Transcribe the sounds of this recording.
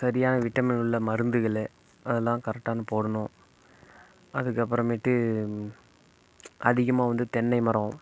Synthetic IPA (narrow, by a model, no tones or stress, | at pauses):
sɐɾɪjaːnɐʋɪʈːɐmɪnɯɭːɐmɐɾɯnd̪ɯɣɐɭɛ | ɐðɛlːãːkɐɾɛk̚ʈːaːnɐpoːɽɐnõː | ɐðɯkːɐp̬ːɾɐ̃mɪʈːɯ | ɐðɪɣɐmaːʋɐnd̪ɯt̪ɛnːɐɪmɐɾɐ̃